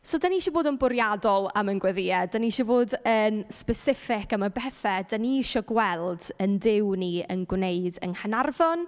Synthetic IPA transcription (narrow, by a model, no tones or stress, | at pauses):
sodaniʃɔvoːdənbʊɾjadɔlˠa̰mənɡwɛðɪadəniʃɔvoːdənspɛsɪfɪkamabɛθɛd̥aniʃɔɡwɛlˠd̥əndɪwniə̰nɡwneɨdə̰nhanarvɔn